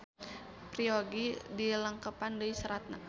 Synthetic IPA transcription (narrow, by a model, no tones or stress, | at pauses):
prioɡidiləŋkəpandəisəɾat̪̚na